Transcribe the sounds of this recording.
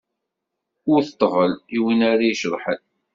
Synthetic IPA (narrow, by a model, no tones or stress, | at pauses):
ʊɾθət̪ˤːvəliwinaɾajʃəðˤħən